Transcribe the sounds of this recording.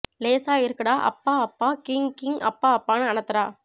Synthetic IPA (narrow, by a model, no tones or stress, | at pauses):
leːsaːɪɾɯkːɐɽaːʔɐ̰pːaːɐpːaːkɪŋkɪŋɐ̰pːaːɐpːaːnɯɐnɐt̪ːɐɾaː